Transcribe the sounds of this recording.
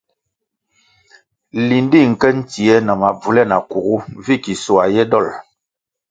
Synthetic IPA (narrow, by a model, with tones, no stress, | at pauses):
li˨n˦di˦˨ŋ̩˨kɛ˦n̩˦ti˨ɛ˦na˨ma˨b͡vu˨lɛ˦na˨ku˨ɣu˦vi˦ki˨su˨a˨jɛ˦dɔ˦˨l